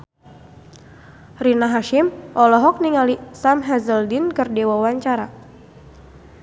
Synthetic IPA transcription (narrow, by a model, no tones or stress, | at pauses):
rinaɦaʃɪmʔɔlɔɦɔk̚niŋalisamɦazəldinkɨrdewawaɲt͡ʃaɾa